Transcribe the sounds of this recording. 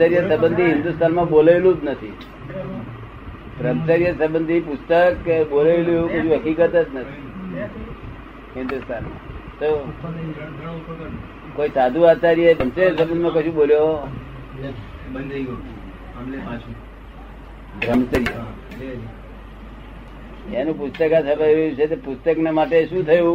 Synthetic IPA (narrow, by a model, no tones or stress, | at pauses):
səɾijəsəbənd̪ʱiɦɪnd̪ust̪ʰanmãbolajlũd͡ʒnət̪ʰḭ | pɾəmsəɾjəsəbənd̪ʱipʊst̪əkbolailueũkəʃũɦəkikət̪ət̪nət̪ʰii | ɦɪnd̪ust̪ʰanmã̰t̪o | koisad̪ʱũat͡ʃaɾjebəmsəɾjəsəbənd̪mãkəʃũboljoɦ | n | bɾəmsəɾijə | anũpust̪əkat͡ʃʰəbaelut͡ʃʰet̪epʊst̪əknamaʈeʃũt̪ʰəjũ